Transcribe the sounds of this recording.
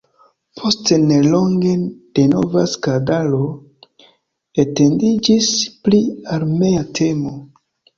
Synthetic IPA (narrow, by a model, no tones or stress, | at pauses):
pʰo̞stene̞lo̞ŋɡe̞d̥e̞no̞̰vaskadalo̞ | ete̞ndid͡ʒispliaɾme̞atʰe̞mo̞